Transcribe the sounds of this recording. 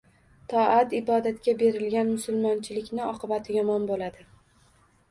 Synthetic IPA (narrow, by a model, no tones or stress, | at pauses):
t̪ʰɒat̪ɪbɒd̪at̪kʲabe̞ɾɪlɡʲanmʊsʊlˠmɒnt͡ʃʰɪlɪkʲnɪɒqʰɨbat̪ʰɪjɒmɒnbolad̪ɪ